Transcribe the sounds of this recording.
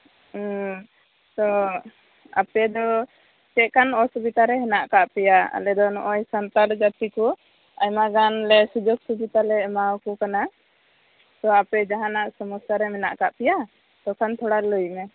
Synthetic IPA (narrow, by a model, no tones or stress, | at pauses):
t̪ɔ | a̰pɛd̪ɔ | t͡ʃɛʔ̚kanɔsubit̪aɾɛɦɛnaʔkaʔpɛjaa̰lɛd̪ɔnɔ̰ʔɔjsant̪aɽd͡ʒat̪ikɔ | ajmaɡanlɛsud͡ʒɔɡsubit̪alɛmawkukana | t̪ɔapɛd͡ʒaɦanaʔsɔmusaɾɛmɛnaʔkaʔpɛja | t̪ɔkʰant̪ʰɔɽaləjmɛ